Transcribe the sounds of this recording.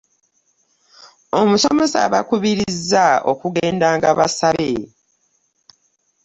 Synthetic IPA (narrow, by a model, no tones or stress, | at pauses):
omusome̞sa̰βakuβiɾizːao̞̰kuɡeːndaːŋɡaβasaβe